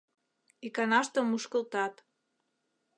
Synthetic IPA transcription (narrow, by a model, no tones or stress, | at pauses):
ikɑnɑʃt̪ə̆muʃkə̆lt̪ɑt̪